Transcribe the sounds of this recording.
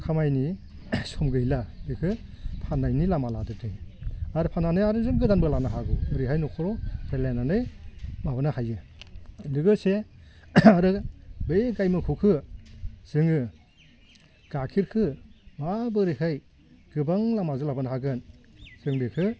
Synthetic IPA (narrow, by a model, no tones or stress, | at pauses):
kʰamajni | sɔmɡɯiladɯkʰɯpʰanajnilamaladɯtʰɯjaɾɯpʰananɯjaɾɯzɯmɡɯdanbɯlanaɦaɡɯɾihajnɔkʰɔɾɔelenanɯjmabɯnahajɯ | lɯɡɯse | aɾɯbejɡajmɯkʰɯkʰɯ | z̥ɯŋɯ | ɡ̥akʰiɾkʰɯmabɯɾiɦaj | ɡ̥ɯbaŋlamazɯlabɯnɦaɡɯnz̥ɯŋdɯkʰɯ